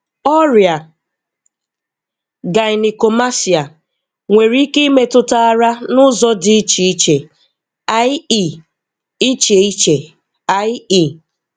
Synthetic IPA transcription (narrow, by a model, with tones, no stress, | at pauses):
ɔ˦ɾja˨ | ɡa˨ɪ˨ni˨ko˨ma˦si˨a˨ | ŋʷe˨ɾi˦ke˦i˦me˦tʊ˦ta˦a˦ɾa˦nʊ˦zɔ˦dɪ˦i˦t͡ʃi˨i˦t͡ʃe˨ | a˦i˦˨ | i˦t͡ʃe˨i˦t͡ʃe˨ | a˦i˦˨